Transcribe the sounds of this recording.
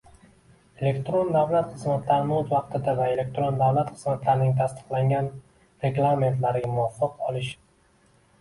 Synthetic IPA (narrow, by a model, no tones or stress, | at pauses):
e̞le̞kʲt̪ɾo̞nd̪avlat̪χɨzmat̪ʰlaɾɪnɪʊzvɑq̚t̪ʰɪd̪avae̞le̞k̚ʲt̪ɾo̞nd̪avlat̪χɨzmat̪laɾɪnɪŋt̪ʰast̪ɨ̥qlˠaŋɡʲan | ɾe̞ɡlˠame̞nt̪laɾɪɡʲamʊɒfːɑqɒlˠɪʃ